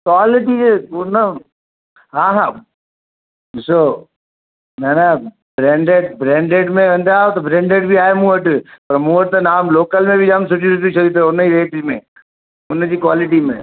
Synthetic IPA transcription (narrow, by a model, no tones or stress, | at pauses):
kwaːlɪʈ̬ieʊnə | ɦãːɦa | so | mɛna | bɾɛ̃ːɳɖeɖ̚bɾɛ̃ːɳɖeːɖmẽʋɐ̃nd̪aːot̪obɾɛ̃ːɳɖeːɖbʱiaːemũːəʈpɐɾmũːəʈ̚t̪onaːmloːkəlmẽbʱid͡ʒaːmsʊʈuːɾɪʈit͡ʃɐit̪ːʊnːəiɾeːʈɪd͡ʒmḛ̃ | ʊnːəd͡ʒikʋaːlɪʈimḛ̃